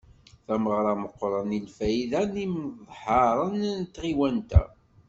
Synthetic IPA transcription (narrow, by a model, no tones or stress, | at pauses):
θæməʁɾˤɑməqːɾˤɑnilfæjðænimðˤħɑɾˤənnt̪ːʁiwænt̪æ̰